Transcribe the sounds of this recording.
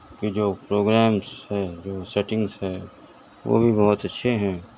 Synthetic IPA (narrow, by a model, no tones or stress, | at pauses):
kid͡ʒoːpɾoːɡɾɛːmshɛːd͡ʒoːsɛʈɪ̃ŋɡsɦɛː | ʋo̰ːbʱibɐɦʊt̪ɐtːʃʰeɦɛ̃ː